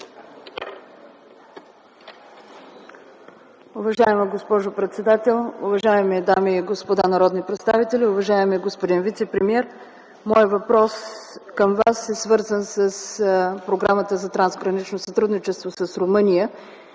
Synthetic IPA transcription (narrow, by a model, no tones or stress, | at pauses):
ʊvɐʒaɛməɡospɔʒopɾɛt̪sɛd̪at̪ɛlˠʊ̰vɐʒaɛmid̪amiːɡospod̪anɐɾɔd̪nipɾɛt̪st̪avit̪ɛlʲiʊvɐʒaɛmɛɡospod̪invit̪sɛpɾɛmiɛɾ | mɔjəvɐpɾɔskəmvasɛsvɤɾzənsəspɾoɡɾamət̪əzɐt̪ɾanzɡɾɐnit͡ʃnosɐt̪ɾud̪nit͡ʃɛst̪vosəsɾomɤnijə